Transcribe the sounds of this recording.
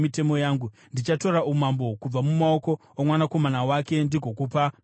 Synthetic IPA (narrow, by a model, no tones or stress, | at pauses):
mite̞mo̞jaːŋɡu | ndit͡ʃato̞ɾaʔumambo̞kub͡vamumao̞ko̞ | omwanako̞manawake̞ndiɡʱo̞kupa